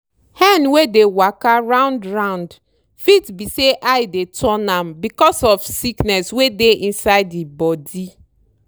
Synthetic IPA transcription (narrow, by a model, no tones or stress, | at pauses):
hɛ̃nwedewakaɹãʊ̃ndɹãʊ̃nd | fitbiseʔajdetʰɔ̃nãmbikɔsɔfsiknɛswedeʔĩnsaɪdibɔdi